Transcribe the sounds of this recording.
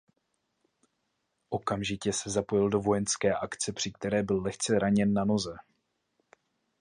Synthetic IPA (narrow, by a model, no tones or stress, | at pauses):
ʔo̞kamʒɪcɛsɛzapo̞jɪldo̞vo̞jɛnskɛːʔakt͡sɛpr̝̥ɪk̚t̪ɛɾɛːbɪlːɛxt͡sɛɾaɲɛnːano̞zɛ